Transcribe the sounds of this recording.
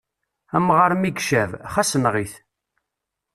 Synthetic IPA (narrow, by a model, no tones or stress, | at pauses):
æmʁəɾmiɡʃævχæsənʁiθ